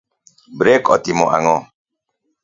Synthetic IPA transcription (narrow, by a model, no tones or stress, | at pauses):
bɾekɔt̪imɔ̰ʔa̰ŋɔ